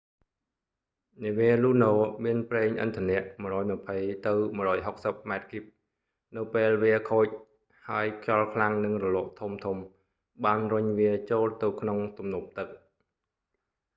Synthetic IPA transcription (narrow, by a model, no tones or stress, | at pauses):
niəʋiəluːnoːmiənpreːŋʔɨ̰nt̪ʰənɛəʔməɾɔːjməpʰəjt̪ɨwməəɾɔːjɦok̚səp̚maɛt̪̚kip̚ | nɨwpeːlʋiəkʰoːc̚ | haəjkʰjɑlkʰlaŋnɨŋrɔlŏəʔt̪ʰumt̪ʰum | ɓaːnrʊɲʋiət͡ɕoːlt̪ɨwkʰnoŋt̪umnŭəp̚t̪ɨk̚